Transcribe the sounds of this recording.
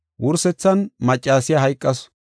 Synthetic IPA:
wʔʊɾsɛt͡sːɐnmɐt͡ʃʼːaːsɪjɐɦɐjkʼːɐs

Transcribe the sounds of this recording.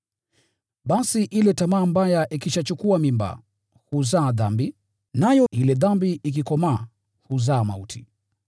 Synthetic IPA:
ɓasiʔilɛtamaːmbajaʔikiʃat͡ʃukuamimba̰ | huzaːðambi | najɔʔilɛðambiʔik̬ikɔmaː | huzaːmautʰi̥

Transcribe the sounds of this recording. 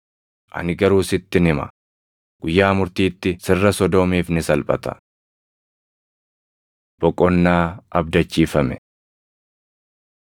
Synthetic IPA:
ʔɐ̰nɪɡɐɾuːsɪt̪ːɪnɪmɐ̰ | ɡ̥ʊjːaːmʊɾt̪iːt̪ːɪsɪrːɐsɔd̪oːmiːfnɪsɐlpʼɐ̰t̪ɐ̥̰ | b̥ɔkʼɔnːaːʔɐb̚d̪ɐt͡ʃːiːfɐmɛ

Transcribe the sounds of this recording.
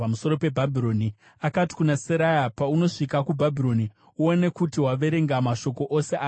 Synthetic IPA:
amuso̞ɾo̞pe̞bʱabʱiɾo̞ni | akati̥kunaseɾajapauno̞ʂikakubʱabʱiɾo̞ni | uone̞kutiɦwaʋe̞ɾe̞ŋɡamaʃo̞ko̞ʔose̞aː

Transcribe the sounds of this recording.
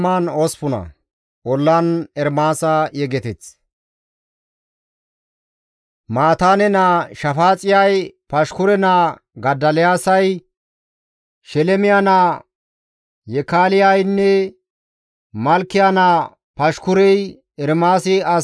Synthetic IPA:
maːnoːspʊnɐ̰ | ɔlːanɛɾmaːsɐjɛɡɛt̪ɪt͡s | maːt̪aːnɛnaːʃɐfaːt͡sʼɪjɐjpɐʃkʊɾɛnaː | ɡɐd̪ːɐlɪjaːsɐj | ʃɛlɛmɪjanaː | jɛkaːlɪjajnːɛ | mɐlkːɪjana | pɐʃkʊɾɛj | ɛɾmaːsɪɐ

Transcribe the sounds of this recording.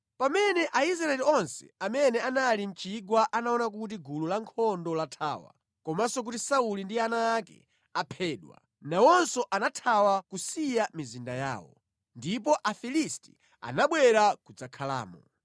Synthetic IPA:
pamɛnɛʔais̬ɾaɛliɔnsɛ̰amɛnɛanalim̩t͡ʃiɡwaʔanaɔnak̬ut̬iɡululaŋkʰɔndɔlatʰa̰ːwa̰ | kɔmasɔk̬utisaulindianaːkɛ̰ | apʰɛːɗwa̰ | nawɔnsɔʔanatʰawakusijamizindaja̰ːwɔ̰ | ndip̬ɔʔafilisti̥ | a̰naɓwɛɾakud͡zakʰala̰ːmɔ

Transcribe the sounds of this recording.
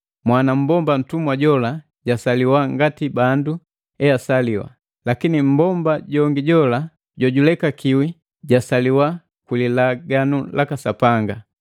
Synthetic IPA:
mwanam̩bɔmban̩tumwaɟɔla | ɟasaliwaŋɡatibandu | ɛjasaliwa̰ | lakinim̩bɔmbaɟɔŋɡiɟɔla | ɟɔɟulɛkakiwi | ɟasaliwa | kwililaɡanulakasapaŋɡa

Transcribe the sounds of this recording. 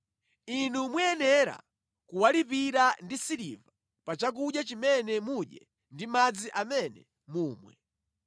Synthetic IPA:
inumwɛɛnɛɾa̰ | kuwalipiɾandisiɾiva | pat͡ʃak̬uɗjat͡ʃimɛnɛmuɗjɛ̰ | ndimad͡ziʔamɛnɛ̰ | muːmwɛ̰

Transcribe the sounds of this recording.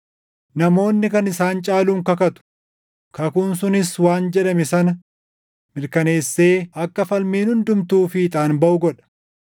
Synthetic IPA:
nɐmo̞ːnːɪkɐnɪsaːnt͡ʃʼaːluːŋkɐkɐt̪ʊ̥ | kɐkunsʊnɪswaːnd͡ʒɛɗɐmɛsɐnɐ | mɪɾkɐne̞ːsːe̞ːɐkːɐfɐlmiːnhʊnd̪ʊmt̪uːfɪːt̪ʼaːnbɐʔʊɡɔᶑɐ̥

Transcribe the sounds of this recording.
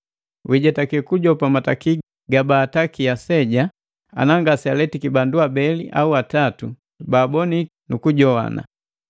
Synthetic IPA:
wʔiɟɛtakikuɟɔpamataki | ɡabaːtakiasɛɟa | a̰naŋɡasialɛtikibanduabɛliʔauatatu | baːbɔni | nukuɟɔwa̰na̰

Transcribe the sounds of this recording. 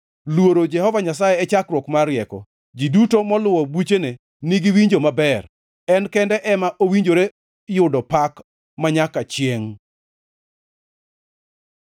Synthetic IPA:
lwoɾod͡ʒɛhɔvaɲas̬ajɛːt͡ʃakɾwɔkmaɾjɛkɔ̰ | d͡ʒidutomɔlʊwɔbut͡ʃene | niɡiwiɲd͡ʒomabɛr | ɛnkɛndɛʔɛmaʔowiɲd͡ʒoɾe | jʊdɔpak | maɲakat͡ʃjeŋ

